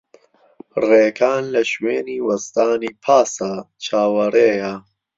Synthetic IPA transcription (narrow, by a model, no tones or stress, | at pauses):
reːkʰaːnlɐʃweːniːwɐst̪aːniːpʰaːsa | t͡ʃʰaːwɐreːja